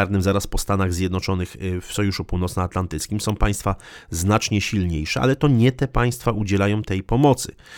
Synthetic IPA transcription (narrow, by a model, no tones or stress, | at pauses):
aɾnɘmzaɾaspɔst̪anaɣzʲjɛd̪nɔt͡ʂɔnɘxfsɔjuʂupuwnɔt̪snɔat̪lant̪ɘt̪skʲimsɔ̃w̃paj̃st̪fa | znat͡ʂɲɛɕilɲejʂɛa̰lɛt̪ɔɲɛt̪ɛpaj̃st̪faʔud͡ʑɛlajɔ̃w̃t̪ɛjpɔmɔt̪sɘ̰